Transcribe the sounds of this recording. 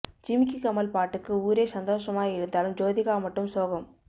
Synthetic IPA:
d͡ʒɪmɪkikɐmɐlpaːʈːɯkːɯuːɾeːsɐnd̪oːʂɐmaːɪɾɯnd̪aːlɯmd͡ʒoːðɪɣaːmɐʈːɯmsoːɣɐm

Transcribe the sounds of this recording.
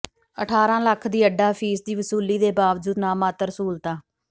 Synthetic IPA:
əʈʰaːɾãːləkʰd̪iːəɖːaːfʰiːsd̪iːʋəsuːliːd̪eːbaːʋd͡ʒuːd̪naːmaːt̪əɾəsuːlt̪ãː

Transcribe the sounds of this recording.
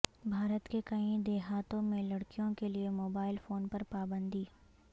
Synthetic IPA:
bʱaːɾət̪kekɐĩd̪eːɦaːt̪õmẽlɐɽkijõkeliemoːbaːɪlfoːnpɐɾpaːbə̃nd̪iː

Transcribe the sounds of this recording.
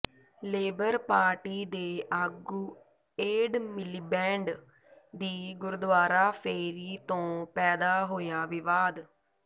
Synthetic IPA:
leːbəɾpaːɾʈiːd̪eːʔaːɡuː | eːɖmɪliːbɛ̃ːɳɖ | d̪iːɡʊɾd̪ʋaːɾaːpʰeːɾiːt̪õːpɛːd̪aːɦoːjaːʋɪʋaːd̪

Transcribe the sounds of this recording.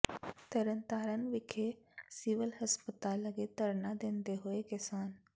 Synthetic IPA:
t̪ɐɾənt̪aːɾənɪ̆ʋɪkʰesiʋəlɦɐspət̪aːlːɐɡet̪ɐɾnad̪ẽːnd̪eɦʊekɛsaːn

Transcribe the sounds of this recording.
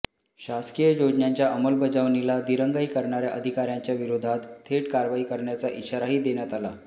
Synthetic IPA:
ɕaskijəjod͡ʑɳjaɲt͡ɕjaʔəməlbəd͡zaʋnilad̪iɾəŋɡaikəɾɳaɾjaʔəd̪ʱikaɾjaɲt͡ɕjaʋiɾod̪ʱat̪t̪ʰːeʈkaɾʋaiːkəɾɳjat͡saʔiɕaɾaɦiːd̪enjat̪ala

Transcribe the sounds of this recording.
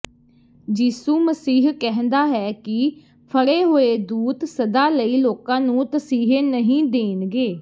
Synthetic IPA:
d͡ʒiːsuːməsiːɦkɛɦnd̪aːɦɛːkɪ | pʰəɽeːɦoːeːd̪uːt̪səd̪aːləiːloːkãːnũːt̪əsiːɦeːnəɦĩːd̪eːnɡeː

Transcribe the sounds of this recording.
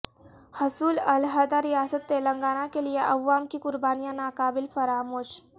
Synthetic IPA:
hɐsuːlɐlɦad̪aɾijaːsət̪ːelɐŋɡaːnãkelijeʔɐʋːaːmkikʊɾbaːnijãnaːkaːbɪlfɐɾaːmoːʃ

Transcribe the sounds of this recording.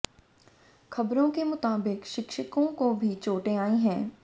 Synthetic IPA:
xʰɐbɾõkemʊt̪aːbɪkʃɪkʃəkõkobʱit͡ʃoːʈeaːĩɦɛ̃ː

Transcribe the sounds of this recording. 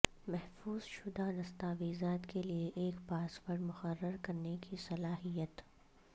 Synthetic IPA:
mɛɦfuːz̥ʃʊd̪ad̪ɐst̪aːʋiːzaːt̪kelieʔeːkpaːsʋəɾɖmʊxərːəɾkɐɾnekisɐlaːɦijət̪

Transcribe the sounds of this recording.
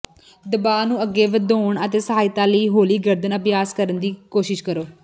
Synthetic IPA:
d̪əbaːnũːəɡːeːʋəd̪oːɳət̪eːsəɦaːɪt̪ãːləiːɦoːliːɡəɾd̪ənəpjaːskəɾənd̪iːkoːʃɪʃkəɾoː

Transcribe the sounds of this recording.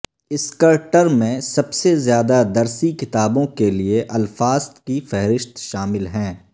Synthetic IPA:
ɪskəɾʈəɾmẽsɐbsezjaːd̪ad̪ɐɾsikɪt̪aːbõkelieʔɐlfaːzt̪kifɛɦɾɪʃt̪ʃaːmɪlɦɛ̃ː

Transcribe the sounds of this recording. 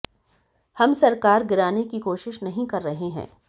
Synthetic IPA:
hɐmsɐɾkaːɾɡɪɾaːnekikoːʃɪʃnɐɦĩkɐɾːɐɦeɦɛ̰̃ː

